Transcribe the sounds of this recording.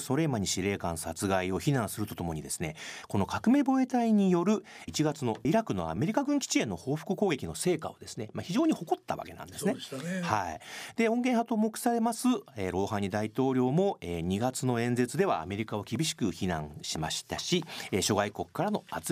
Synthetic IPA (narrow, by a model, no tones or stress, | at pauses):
so̞ɾe̞ːmaɲ̟iɕiɾe̞ːkãɰ̃sat͡sɨɡaio̞çinãɰ̃sɨɾɯ̟t̪o̞t̪o̞mo̞ɲ̟id̪e̞sɨ̥ne̞ko̞no̞kʰakɯ̟me̞bo̞e̞t̪aiɲ̟ijo̞ɾɯ̟ | it͡ɕiɡat͡sɨno̞iɾakɯ̟no̞̰a̰me̞ɾʲikaɡɯ̟̃ŋkʲi̥t͡ɕie̞nːo̞ho̞ːɸɯ̥kɯ̟ko̞ːɡe̞kʲino̞se̞ːka̰o̞̰d̪e̞sɨne̞maçiʑo̞ːɲ̟iho̞ko̞t̪ːa̰βa̰ke̞nã̰nd̪e̞sɨnehaid̪̥e̞õ̞ŋɡeɰ̃hat̪oːmokɯ̟̥saɾe̞masɨeɾo̞ːhãɲ̟ːid̪ait̪o̞ːɾʲo̞ːmo̞eːɲ̟iɡat͡sɨno̞ẽ̞nd͡ze̞t͡sɨd̪e̞βa̰ːme̞ɾʲikaβokʲibʲiɕi̥kɯ̟çinã̰ɰ̃ɕimaɕi̥t̪aɕieɕo̞ɡaiko̞kkːaɾano̞at͡s